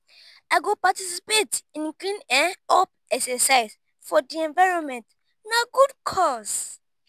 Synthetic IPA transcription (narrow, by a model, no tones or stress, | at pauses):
aɪɡopatisipetĩnklĩnɛ̃nɔp̚ | ɛksɛsaɪz̥ | fɔdiɛ̃nvaɪɹɔ̃nmɛ̃nt | naɡudkʰɔs